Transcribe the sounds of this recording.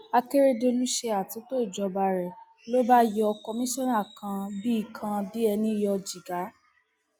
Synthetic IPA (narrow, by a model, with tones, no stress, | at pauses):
a˧ke˦ɾe˦de˧lu˦ʃe˧a˨tũ˨˦to˦i˦˨d͡ʒɔ˧ba˧ɾɛ˨ | lo˦ba˦jɔ˧kɔ˧mĩ˦ʃɔ̃˦na˦˨kʰã˧bi˦i˦˨kʰã˧di˦ɛ˧nĩ˦jɔ˧d͡ʒi˨ɡa˨˦